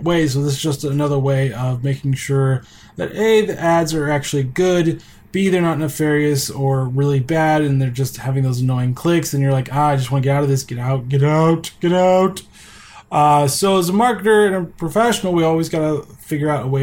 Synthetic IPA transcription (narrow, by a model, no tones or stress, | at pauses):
weɪs̬oʊðɪsz̥d͡ʒʌstənʌðə˞weɪʔʌvmeɪkɪ̃ŋʃʊɹ | ðɨ̰ɾeɪðiʔædzə˞æk̚t͡ʃʉl̩ˠiɡʊd | b̥iiðə˞nəɾnəfɛɹiɨsə˞ɹɪlˠibæɾɨ̃nðə˞d͡ʒʌst̚hævɪ̃ŋðoʊzənɔɪɪ̃ŋkʰl̥ɪksɨ̃njə˞laɪkaaɪd͡ʒʌst̚wɑ̃nəɡɛɾaʊɾʌvðɪsɡ̥ɛɾaʊt̚ɡ̥ɛɾaʊtɡ̥ɛɾaʊt | ʌsoʊəzəmɑɹkɨɾə˞ɨ̃nɨpʰɹ̥əfɛʃn̩l̩ˠwiɔlˠwizɡɑɾəfɪɡjə˞aʊɾəweɪ